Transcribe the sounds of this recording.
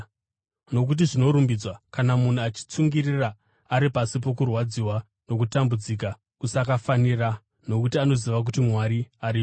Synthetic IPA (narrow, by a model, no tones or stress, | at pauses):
no̞k̬ut̬iʐino̞ɾumbid͡zwakanamun̤uat͡ʃi̥t͡suŋɡiriraː | ɾipasip̬o̞kurwad͡ziwa | no̞kutambud͡zik̬a | kusakafanira | no̞kutiano̞ziʋak̬utimwaɾiaɾi